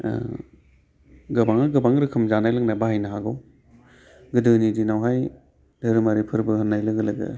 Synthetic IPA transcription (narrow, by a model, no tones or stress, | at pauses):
ɡɯbaŋɯɡɯbaŋɾɯkʰɯmzanajlɯŋnabahajnaɦaɡɯw | ɡɯdɯnidinawɦaj | dɐɾɯmaɾipʰɯɾbɯhɯnːajlɐɡɯlɐɡɯ̰